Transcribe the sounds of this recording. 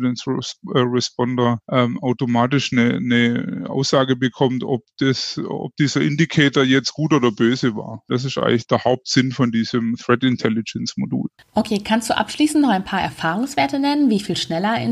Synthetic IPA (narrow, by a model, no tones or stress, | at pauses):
dɛnsʁɛspɔndɐʔɛːmʔaʊtomaːtɪʃnənəʔa̰ʊsz̥aːɡəbəkʰɔmtɔp̚d̥ɛsɔ̰p̚d̥iːzɐʔɪndikʰɛːtoɐjɛt͡stɡ̥uːtoːdɐbøːzəva̰ːɐd̥as̬ɪstʔa̰ɪŋlɪçd̥eːɐhaʊp̚tz̥ɪnfɔndiːzəmθʁɛtɪntʰɛlɪd͡ʒɛnsmodṵːl | ʔokʰeːkʰanstd̥uːʔa̰pʃliːsn̩tnɔχaɪnpʰaːɐʔɛ̰ɐfaːʁʊŋsv̥eːɐtənɛnənviːfiːlʃnɛlɐɪ̰